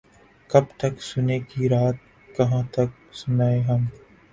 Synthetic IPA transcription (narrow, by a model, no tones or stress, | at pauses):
kɐbt̪ɐksʊnekiɾaːt̪̚ | kɐɦãt̪ɐk̚ | sʊnaːeɦɐm